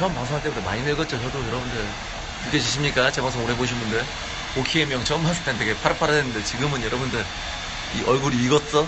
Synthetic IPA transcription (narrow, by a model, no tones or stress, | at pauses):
t͡ɕʌmpaŋsʰoɦaɭt͈ebund̪ema̰imeɡʌt̚t͡ɕ͈ot͡ɕʰʌdojʌɾʌbundɯ | kɯkʰet͡ɕiɕʰimɲik͈at͡ɕemaŋs͈ʰomoɾeboɕ̬ʰinmbunde | okʰiemjʌŋt͡ɕʌmasʰɯ̥tʰantʰeɡepʰaɾɯpʰaɾadenɯnde̞t͡ɕiɡɯmɯnjʌɾʌbundɯɭ | iʔʌɭɡuɾiːɡʌt̚s͈ʌ